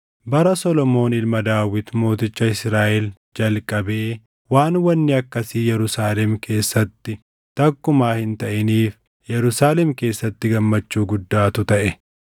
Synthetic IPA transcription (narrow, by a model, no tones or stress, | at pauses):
bɐɾɐsɔlɔmo̞ːnɪlmɐd̪aːwɪt̪mo̞ːt̪ɪt͡ʃːɐɪsɾaːʔɛl | d͡ʒɐlkʼːɐbe̞ː | waːnwɐnːɪɐkːɐsijɛɾʊsaːlɛmkʰe̞ːsːɐt̪ːɪ | t̪ɐkːʊmaːhɪnt̪ɐʔɪniːf | jɛɾʊsaːlɛmke̞ːsːɐt̪ːɪɡɐmːɐt͡ʃːuːɡʊd̪ːaːt̪ʊt̪ɐʔɛ